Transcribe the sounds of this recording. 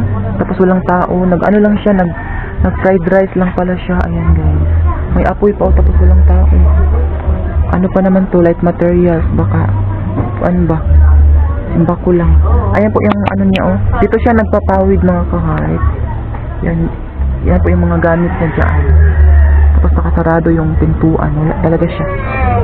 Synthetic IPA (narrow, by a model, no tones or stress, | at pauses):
t̪ɐposwɐlaŋt̪aːʔonɐɡɐ̰nolaŋʃanɐɡ̚ | nɐɡ̚fɾajd̪ɾajslaŋpɐlaʃaʔɐ̰janɡajmɐjʔɐpojpɐʔot̪ɐposwɐlaŋt̪aːʔo | ʔɐ̰nopɐnɐmant̪o̞lajt̪mɐt̪ɛɹɪalsbaːka | ʔɐ̰nba | ʔmbakolaŋʔɐjanpoʔjʊŋʔɐ̰noɲaʔo̞d̪it̪oʃanɐɡ̚pɐpaːwɪd̪̚nɐŋakɐɦaɾɪt̪̚ | jan | janpoʔjʊŋmɐŋaɡaːmɪt̪̚ɲɐnsɐ̰ʔa̰nont̪aːpostɐkɐsɐɾaːd̪o̞jʊŋt̪ʊnt̪uːʔɐ̰nolat̪ɐlɐɡaʃa